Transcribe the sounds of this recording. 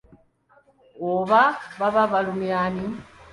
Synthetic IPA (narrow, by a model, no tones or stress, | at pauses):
oβaβaβaβalumjaːni